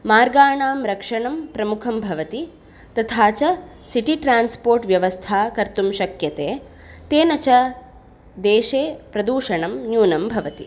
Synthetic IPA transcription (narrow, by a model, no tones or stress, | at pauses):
maːɾɡaːɳaːmɾɐkʂɐɳɐmpɾɐmukʰɐmbʱɐʋɐt̪i | t̪ɐt̪ʰaːt͡ʃɐ | siʈiʈɾaːnspoːɾʈʋjɐʋɐst̪ʰaːkɐɾt̪umʃɐkjɐt̪eː | t̪eːnɐt͡ʃɐ | d̪eːʃeːpɾɐd̪uːʂɐɳɐmnjuːnɐmbʱɐʋɐt̪i